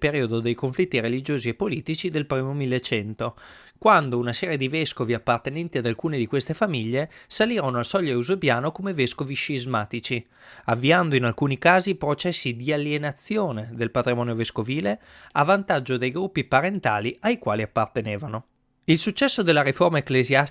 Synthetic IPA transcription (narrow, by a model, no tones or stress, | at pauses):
peɾiːod̪od̪ejkoɱflit̪ːiɾelid͡ʒoːziepːoliːt̪it͡ʃid̪elpɾiːmomilːet͡ʃɛnt̪o | kwand̪ounasɛːɾjed̪ivɛskoviapːart̪enɛnt̪iad̪alkuːned̪ikwest̪efamiʎːesaliːɾonoalsɔʎːoeuzebjaːnokomeveskoviʃizmaːt̪it͡ʃi | avːiand̪oinalkuːnikaːzipɾot͡ʃɛsːid̪ialːjenat̪sːjoːned̪elpat̪ɾimɔːneoveskoviːle | avant̪ad͡ʒːod̪ejɡɾupːipaɾent̪aːliajkwaːliapːart̪eneːvano | ilsut͡ʃːɛsːod̪elːaɾiformaeklezja